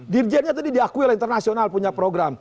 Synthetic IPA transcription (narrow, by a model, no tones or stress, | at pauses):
dird͡ʒiɛnɲat̪adidiakuiolɛhint̪ərnasionalpuɲapɾoɡɾam